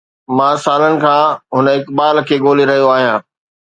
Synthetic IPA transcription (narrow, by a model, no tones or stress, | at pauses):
mãːsaːlənɪ̆kʰãːɦʊnəɪkbaːlkʰeːɠoːliɾɐɦijoaːɦijãː